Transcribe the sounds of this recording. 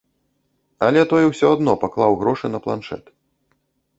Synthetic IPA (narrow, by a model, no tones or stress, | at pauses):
ɐlʲɛt̪ɔjɛwsʲɔad̪nɔpaklˠawɣɾɔʂɨnɐplˠa̰nʂɛ̰t̪